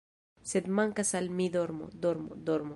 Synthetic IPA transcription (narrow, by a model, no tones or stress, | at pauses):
sed̪maŋkasalmid̪oɾmo̰d̪oɾmod̪oɾmo